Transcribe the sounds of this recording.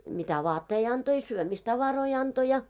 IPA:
mitæ ʋɑːtːei ɑnto i syømistɑʋɑroi ɑnto jɑ

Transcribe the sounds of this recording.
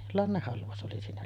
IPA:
lɑnːehːɑlʋɑus ʔoli siːnæ

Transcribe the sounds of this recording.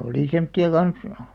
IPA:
oli semtːiɑ kɑns

